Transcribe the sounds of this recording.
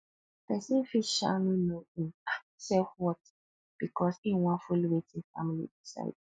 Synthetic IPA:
pʰɛsĩfiʃa̰nũnõĩna | sɛhwɔt | b̥ikʰɔsĩwãfuliwetʰɪ̃nfa̰milḭdisa̰ɪd

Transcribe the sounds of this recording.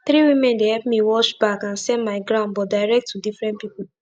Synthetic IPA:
θɹiwimɛ̃ndehɛp̚miwɔʃbakãnsɛ̃nmaɪɡɹãʊ̃nbɔtdaɪɹɛk̚tʰːudifɹɛ̃nt̚pipu

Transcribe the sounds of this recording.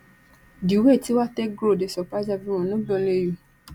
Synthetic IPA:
diwetiwatɛɡɾodesɔpad͡ʒavĩɾ̃ɔ̃nɔ̃bɔ̃leju

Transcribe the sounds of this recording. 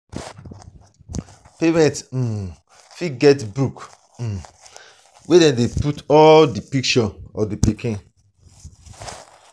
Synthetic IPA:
pemɛ̃nt̩ | fiɡɛtbɾuk̩ | wedɛ̃deputɔldipik̚t͡ʃɔɔdipikĩn

